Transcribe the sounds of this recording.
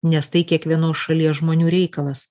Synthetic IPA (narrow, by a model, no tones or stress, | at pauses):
nʲɛst̪ɐɪkʲiɛkʋʲiɛnoːsʃɐlʲiɛsʒmoːnʲuːɾʲɛɪkɐlˠɐs